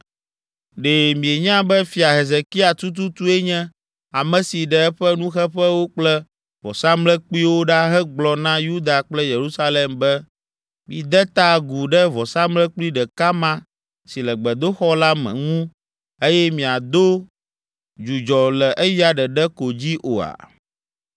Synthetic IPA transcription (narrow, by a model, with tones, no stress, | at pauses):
ɖe˨mĩ˨e˨ɲã˦bɛ˦fi˨a˨ɦe˨ze˨ki˦a˨t̪u˦t̪̬u˦t̪u˦ɛ˦ɲɛ̃˦ | a˨mɛ̃˨si˨ɖɛ˨ɛ˦ɸɛ˦nũ˦xɛ˦ɸɛ˦wo˦k͡plɛ˦ | vɔ̰˨sa˦mlɛ˦k͡pi˦wo˦ɖa˦ɦɛ˦ɡ͡blɔ˨nã˦ju˦d̪a˨k͡plɛ˦je˨ɾu˦sa˦le˨mbɛ˦ | mĩ˨d̪ɛ˦t̪a˦ɡu˨ɖɛ˦vɔ˨sa˦mlɛ˦k͡pli˦ɖɛ˨ka˦mã˦ | si˨lɛ˨ɡ͡bɛ˨d̪o˦xɔ˦la˦mɛ̰̃˨ŋũ˦ | e˦jɛ˦mĩ˨a˨d̪o˦ | d͡ʒu˨d͡ʒɔ˨lɛ˨ʔɛ˦ji˦a˨ɖɛ˨ɖɛ˦ko˨d͡ʑi˦ʔo̰˨a̰˨